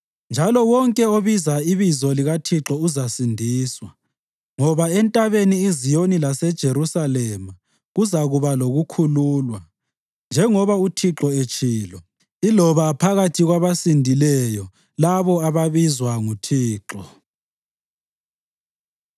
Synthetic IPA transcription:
nd͡ʒʱalɔwɔŋkʼɛoβizaiβizɔliɣatʰiǁɔuzasindʱiːswa | ŋɔβaɛntʼaβeniizijonilasɛd̥ʒ̥ʱeɾusalɛma | ɣuzaɣuβaloɣukʰuluːlwa | nd͡ʒʱɛŋɔβautʰiǁɔet͡ʃʰʼiːlɔ | ilɔβapʰaɣatʰiɣwaβasindʱilɛjɔ | laβɔaβaβizwaŋutʰiːǁɔ

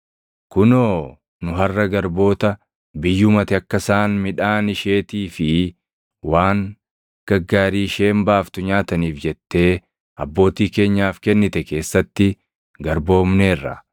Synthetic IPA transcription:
kʊnoː | nʊɦɐrːɐɡɐɾbo̞ːt̪ɐ | bɪjːʊmɐt̪ɪɐkːɐsaːnmɪᶑaːnɪʃe̞ːt̪iːfɪ | waːŋ | ɡ̥ɐɡːaːɾiːʃe̞ːmbaːft̪ʊɲaːt̪ɐniːfd͡ʒɛt̪ːe̞ː | ɐbːo̞ːt̪iːke̞ːɲːaːfkɛnːɪt̪ɛke̞ːsːɐt̪ːɪ | ɡɐɾbo̞ːmneːrːɐ̰

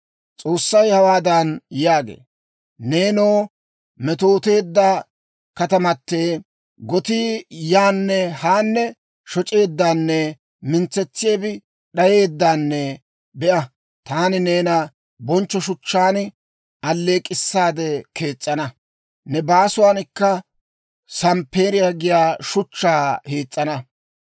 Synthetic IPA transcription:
t͡sʼo̞ːsːɐjhɐwaːd̪ɐnjaːɡḛː | neːnoː | mɛt̪o̞ːt̪e̞ːd̪ːaː | kɐt̪ɐmɐt̪ːe̞ː | ɡɔt̪iːjaːnːɛhaːnːɛ | ʃɔt͡ʃʼe̞ːd̪ːaːnːɛ | mɪnt͡sːɛt͡sːɪjeːbɪ | ɗɐje̞ːd̪ːaːnːɛ | bɛʔɐ | t̪aːnɪneːnɐ | bɔnt͡ʃːɔʃʊt͡ʃːaːn | ʔɐlːe̞ːkʼːɪsːaːd̪ɛke̞ːt͡sʼːɐnɐ | nɛbaːsʊwaːnɪkːɐ | sɐmpːe̞ːɾɪjaɡɪjaːʃʊt͡ʃːaːheːt͡sʼːɐnɐ

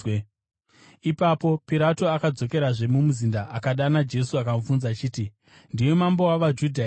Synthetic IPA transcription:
ipapo̞piɾato̞akad͡zo̞ke̞ɾaʐe̞mumuzindaʔakaɗanad͡ʒe̞suakamufunzat͡ʃiːti | ndiwe̞mambowaʋad͡ʒudʱa

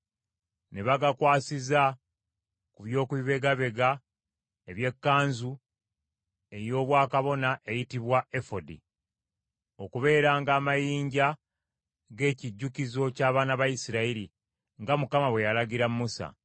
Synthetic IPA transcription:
ne̞βaɡakwaːsiza | kuβjo̞ːkwiβe̞ɡaβe̞ɡa | e̞βje̞kːaːnzu | e̞jo̞ːβwaːkaβo̞naʔe̞jitiβwae̞fo̞dḭ | okuβe̞ːɾaːŋɡaːmajiːɲɟa | ɡe̞ːciɟːukizo̞caːβaːnaβajisiɾaiɾi | ŋɡamukamaβwe̞jalaɟiɾamːusa̰

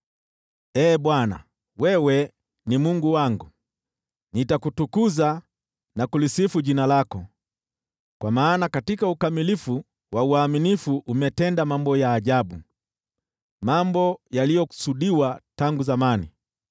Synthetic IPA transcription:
ɛːbwana̰ | wɛwɛ | nimuŋɡuwaŋɡu | nitakutukuza | nakulisifuʄinalakɔ | kwamaːnakatikaukamilifu | wauaminifuʔumɛtɛndamambɔjaːʄabu | mambɔjalijɔku̥suɗiwataŋɡuzamanḭ

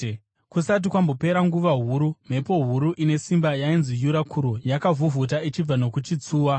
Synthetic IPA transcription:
kusat̬ikwambo̞pe̞ɾaŋɡuʋaɦuɾum̤e̞po̞ɦuɾuʔine̞simbajainzijuɾakʰuɾujakavuvut̬ait͡ʃib͡vano̞kut͡ʃit͡suːwa

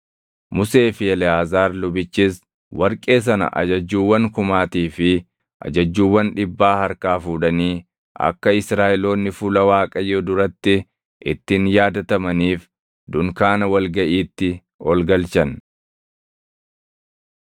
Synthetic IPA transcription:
mʊse̞ːfɪɛlɛhaːzaːɾlʊbɪt͡ʃːɪs | wɐɾkʼe̞ːs̬ɐnɐ̰ʔɐ̰d͡ʒɐd͡ʒːuːwːɐŋkʊmaːt̪iːfɪ | ʔɐ̰d͡ʒɐd͡ʒːuːwːɐnᶑɪbːaːhɐɾkaːfuːᶑɐniː | ʔɐ̰kːɐɪsɾaːʔɪlo̞ːnːɪfʊlɐwaːkʼɐjoːd̪ʊɾɐt̪ːɪ | ʔɪt̪ːɪnjaːd̪ɐt̪ɐmɐniːf | d̪ʊŋkaːnɐwɐlɡɐʔiːt̪ːɪ | ɔlɡɐlt͡ʃɐn

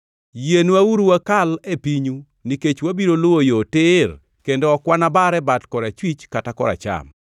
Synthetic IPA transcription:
jenuauɾuwakalepiɲu | niket͡ʃwabiɾolʊwojotɪr | kendɔːkwanabaɾɛbatkɔɾat͡ʃwit͡ʃkatakɔɾa̰t͡ʃa̰m

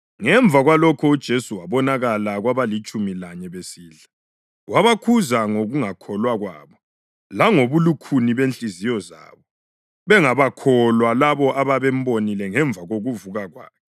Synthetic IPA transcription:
ŋɛɱvʱaɣwalɔkʰɔud̥ʒ̥ʱesuwaβɔnaɣalaɣwaβalit͡ʃʼumilaɲɛβesiːɮa | wʔaβakʰuzaŋoɣuŋakʰɔlwaɣwa̰ːβɔ | laŋoβulukʰuniβent͡ɬʼizijɔza̰ːβɔ | βɛŋaβakʰɔlwalaβɔʔaβaβɛm̩bonilɛŋɛɱb̪vʱaɣoɣuvuɣaɣwa̰ːkʰɛ

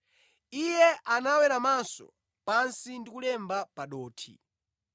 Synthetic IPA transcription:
ijɛʔanawɛɾamansɔ̰ | pansindikulɛmbapaɗɔːtʰḭ

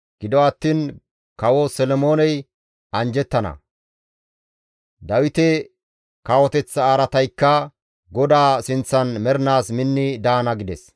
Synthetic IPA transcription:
ɡ̥ɪd̪ɔɐt̪ːiːn | kɐwɔsɛlɔmo̞ːnɛj | ɐnd͡ʒɛt̪ːɐnɐ̰ | d̪ɐwɪt̪ɛ | kɐwɔt̪ɛt͡sːɐaːɾɐt̪ɐjkːɐ | ɡɔd̪aːsɪnt͡sːɐnmɛɾnaːsmɪnːɪd̪aːnɐɡɪd̪ɛs

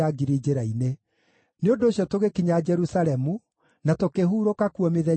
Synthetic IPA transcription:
aɡiɾid͡ʒeɾaine | neondoːɕjɔtoɣekiɲaːd͡ʒɛɾusaɾɛmu | natokeɦuːɾokakuɔmeðɛ

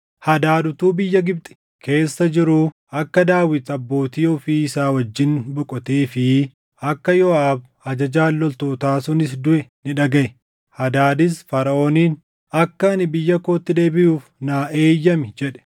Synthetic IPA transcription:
hɐd̪aːd̪ʊt̪uːbɪjːɐɡɪb̚t̪ʼɪ̥ | kʰe̞ːsːɐd͡ʒɪɾʊ | ɐkːɐd̪aːwɪt̪ɐbːo̞ːt̪iːɔfiːɪsaːwɐd͡ʒːɪnbʊkʼɔt̪eːfɪ | ɐkːɐjɔaːb | ɐd͡ʒɐd͡ʒaːlːɔlt̪oːt̪aːsʊnɪs̬d̪ʊɛnɪᶑɐɡɐʔɛ | hɐd̪aːd̪ɪs̬fɐɾɐʔo̞ːniːn | ɐkːɐnɪbɪjːɐkoːt̪ːɪd̪e̞ːbɪʔuːfnaːʔeːjːɐmɪd͡ʒɛᶑɛ̥

